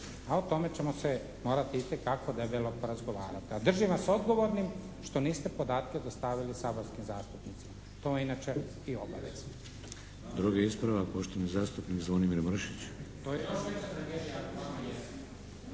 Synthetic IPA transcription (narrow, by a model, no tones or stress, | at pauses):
aot̪o̞me̞t͡ɕe̞mose | mo̞ːɾat̪iit̪ekakod̪ebelopoɾazɡo̞ʋaːɾat̪iad̪r̩ʒiʋaso̞d̪ɡo̞ʋo̞ɾnim | ʃt̪o̞niːst̪e̞po̞d̪aːt̪ked̪ast̪aʋilisaboɾskimzaːst̪upnit̪sima | t̪ominat͡ʃe | io̞baʋḛz | d̪ɾuɡeispɾaʋapoʃt̪onizaːst̪upnikzʋonimiɾmr̩ʃit͡ɕt̪ojeoʃsad̪aɾeʃakaojes